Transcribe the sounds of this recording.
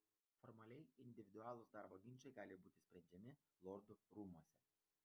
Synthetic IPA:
fɔɾmɐlʲɛɪɪnʲd̪ʲɪʋʲɪd̪ʊɑːlˠʊsd̪ɑˑɾboːɡʲɪnt͡ʃɐɪɡɑːlʲɪbuːt̪ʲɪsʲpʲɾʲɛnʲd͡ʒʲɛmʲɪ | lˠɔɾd̪ʊɾuːmuɔsʲɛ

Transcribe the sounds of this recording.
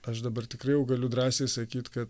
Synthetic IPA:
ɐʃd̪ɐbɐrt̪ʲɪkɾɐɪjɛʊɡɐlʲʊd̪ɾɑːsʲeːsɐkʲiːt̪kɐt̪

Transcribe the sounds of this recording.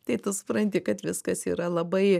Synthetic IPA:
t̪ɐɪt̪ɐsʊ̥pɾɐnʲt̪ʲɪkɐt̪ʋʲɪskɐsḭːɾɐlˠɐbɐɪ

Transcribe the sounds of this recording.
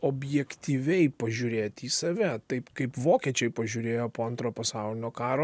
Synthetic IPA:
oːbʲjɛkt̪ʲiːʋʲɛɪpɐʒʲuɾʲeːt̪ʲiːsɐʋʲɛt̪ɐɪpkɐɪpʋoːkʲiɛt͡ʃʲɛɪpɐʒʲuːɾʲeːjoːpoːɐnt̪ɾoːpɐsɑʊlʲɪnʲoːkɑːɾoː

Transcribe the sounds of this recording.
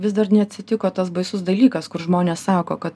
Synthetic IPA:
ʋʲɪsd̪ɐrnʲɛɐt̪ʲsʲɪt̪ʲɪkoːt̪ɐsbɐɪsʊsd̪ɐlʲiːkɐskʊɾʒmoːnʲeːssɑːkoːkɐt̪

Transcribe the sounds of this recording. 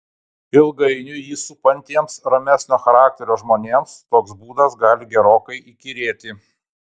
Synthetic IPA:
ɪlˠɡɐɪnʲʊjiːsʊpɐnʲt̪ʲiɛmsɾɐmʲæsʲnʲoːxɐɾɑːk̚t̪ʲɛɾʲoːʒmoːnʲeːmst̪oːksbuːd̪ɐsɡɑːlʲɪɡʲɛɾoːkɐɪʔikʲiɾʲeːt̪ʲɪ

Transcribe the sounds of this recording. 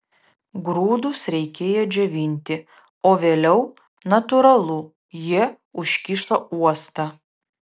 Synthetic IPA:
ɡɾuːd̪ʊsɾʲɛɪkʲeːjɛd͡ʒʲɛʋʲɪnʲt̪ʲɪ | oːʋʲeːlʲɛʊ | nɐt̪ʊɾɐlˠʊ | ji | ʊʃʲkʲiʃt̪ɐuɔst̪ɐ

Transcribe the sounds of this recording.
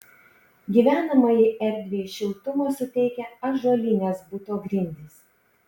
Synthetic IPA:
ɡʲiːʋʲæːnɐmɐjɪʔɛɾʲd̪ʲʋʲeːʃʲɪlˠt̪ʊmoːsʊt̪ʲɛɪkʲɛɐʒoɔlʲɪnʲeːsbʊt̪oːɡɾʲɪnʲd̪ʲɪs

